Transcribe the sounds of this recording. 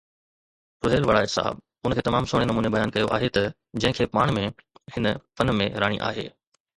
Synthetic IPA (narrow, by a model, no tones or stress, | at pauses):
ɾʊɦeːlʋɐɽaːɪt̪sa̰ːɦɪ̰b | ʊnəkʰeːt̪ɐmaːmsʊːɽ̃enɐmuːnebɐjaːnkɐjoʔa̰ːɦet̪ɐ | d͡ʑɐ̃ɦɪ̃kʰeːpaːɽ̃mẽhɪnəfɐnmẽɾaːɽ̃ḭʔa̰ːɦḛː